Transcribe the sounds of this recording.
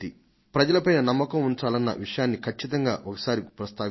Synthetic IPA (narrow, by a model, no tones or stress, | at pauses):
i | pɾɐd͡ʒɐlɐpɐjnɐnɐmːɐkɐmuɲt͡ʃaːlɐnːɐ̰ʋiʂɐjaːnːikʰɐt͡ʃːit̪ɐŋɡaːʔɔkɐ̥saːɾipɾɐst̪aː